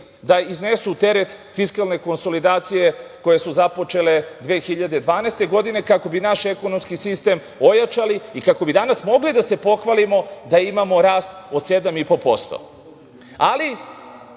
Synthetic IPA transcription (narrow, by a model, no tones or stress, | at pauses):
d̪aiznesut̪e̞ɾet̪ | fiskalˠne̞ko̞nso̞lid̪aːt̪sije̞ko̞je̞suzapo̞t͡ʃe̞le̞d̪ʋeːxiʎad̪e̞d̪ʋaːnɛːst̪e̞ɡo̞d̪ine̞kako̞binaʃe̞ko̞nomskisist̪e̞m | o̞jat͡ʃaliːkako̞bid̪anasmo̞ɡlid̪ase̞po̞xʋalimo̞d̪aimamo̞ɾaːst̪o̞d̪se̞d̪amipo̞po̞st̪o̰ | ali